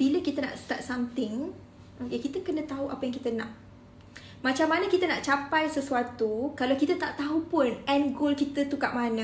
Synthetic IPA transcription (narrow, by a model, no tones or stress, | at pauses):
b̥iləkit̪ənã̰ʔst̪at̪̚samt̪ɪŋ | jakit̪əkənə̃t̪aɦuʔapajaŋkit̪ənãʔ | mãt͡ʃamːanə̃kit̪əna̰ʔt͡ʃapajsəsuat̪ukalawkit̪ət̪aʔt̪aɦupʊnɛnɡolkit̪ət̪ukaʔmanə̃